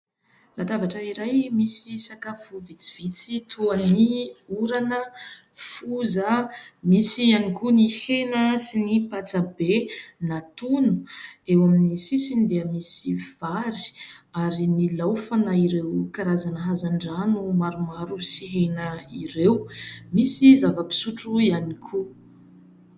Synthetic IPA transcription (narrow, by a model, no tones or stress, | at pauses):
lat̪avaʈ͡ʂəiɾajmisisakafuvit͡siv̥it͡sit̪ʰoaniuɾanəfuzəmisianikunihenəsinipat͡sabenat̪unu̥ewaminisisind̪eəmisiv̥aɾi̥aɾinilawfanaiɾewkaɾazanəɦazaɳɖ͡ʐanumaɾumaɾusiɦenəiɾewmisizavəpi̥suʈ͡ʂuianikʰu